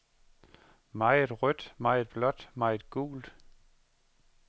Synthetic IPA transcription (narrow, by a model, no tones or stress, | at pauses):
mɑ̈ɪe̝d̥ʁœd̥mɑ̈ɪe̝d̥̚b̥lɒ̽d̥mɑ̈ɪe̝d̥ɡ̥ṵːld̥